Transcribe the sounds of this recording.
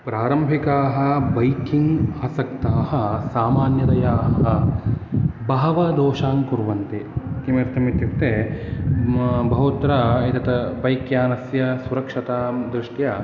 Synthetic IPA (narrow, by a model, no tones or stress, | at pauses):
pɾaːɾɐmbʱikaːɦɐ̆bɐjkʰiŋɡaːsɐkt̪aːɦɐ̆saːmaːnjɐt̪ɐjaːɦɐ | bɐɦɐʋɐd̪oːʃaːŋkuɾʋɐnt̪ikimeːɾt̪ʰɐmit̪jukt̪eː | bʱɐɦut̪ɾɐit̪ɐt̪ɐbɐjkjaːnɐsjɐsuɾɐkʂɐt̪aːd̪ɾiʂʈjɐ